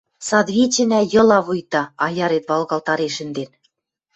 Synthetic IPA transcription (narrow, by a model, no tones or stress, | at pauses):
sɑd̪βʲit͡ɕɘ̆næjɤ̆lˠɑβujt̪ɑɑjɑɾet̪βɑlˠɣɑlt̪ɑɾeʃɘ̆nd̪en